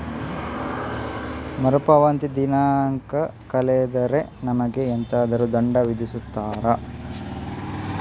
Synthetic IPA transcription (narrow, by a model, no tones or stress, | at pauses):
mɐɾupɐʋɐnt̪id̪inaːŋkɐkɐleːd̪ɐɾenɐmɐɡeːnt̪ɐːd̪ɐɾud̪ɐɳɖɐʋid̪isut̪ːaːɾɐ